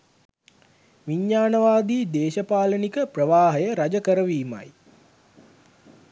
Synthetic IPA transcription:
ʋiɲːaːnəʋaːd̪iːd̪eːʃəpaːlənikəprəʋaːɦəjəɾad͡ʒəkəɾəʋiːma̰j

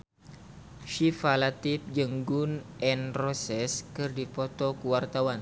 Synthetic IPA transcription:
ʃifalat̪ip̚d͡ʒəŋɡunʔɛnrɔsɛskɨrdipɔt̪ɔkuwart̪awan

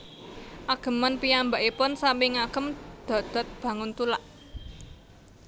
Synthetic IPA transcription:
ʔaɡ̥ə̤manpiambaʔipʊnsampɪŋakəmd̪̥ɔ̤d̪̥ɔ̤t̪̚b̥ä̤ŋʊnt̪ulaʔ

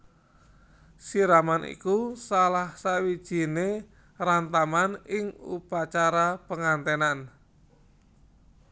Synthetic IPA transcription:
siɾamanḭkusalahsawid̥ʒ̥i̤ne | rant̪amanɪŋṵpat͡ʃaɾapəŋant̪enan

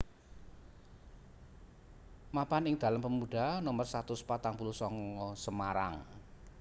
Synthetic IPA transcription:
mapanɪŋd̪̥a̤lampəmuɖ̥a̤nomərsat̪ʊspat̪aŋpuluhsɔŋɔsəmaɾa̰ŋ

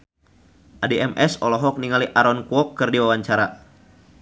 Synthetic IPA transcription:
ʔadeʔɛmʔɛsɔ̰lɔɦɔk̚niŋaliʔaɾɔnkuɔkːɨrdiwawaɲt͡ʃaɾa

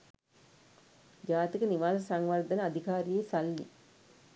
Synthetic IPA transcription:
d͡ʒaːt̪ikəniʋaːsəsaŋʋard̪ənəad̪ʱikaːɾijesalːḭ

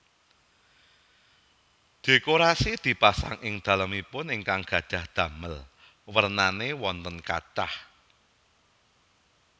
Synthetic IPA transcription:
d̪̥e̤koɾasid̪̥i̤pasa̰ŋʔɪŋd̪̥ä̤ləmipʊnɪŋkaŋɡ̥ä̤̥ʒ̥a̤hd̪̥ä̤məl | wərnanewɔnt̪ənka̰̥d̥a̰h

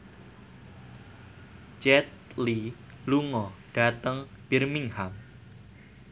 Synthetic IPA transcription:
t͡ʃɛt̪̚li | luŋɔɖ̥a̤t̪əŋ | b̥irmiŋham

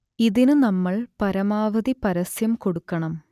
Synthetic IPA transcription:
iðinɨnɐmːɐɭpɐɾɐmaːʋɐðipɐɾɐsjɐmko̞ɽukːɐɳɐm

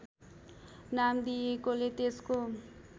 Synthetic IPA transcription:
namd̪ijekolet̪esko

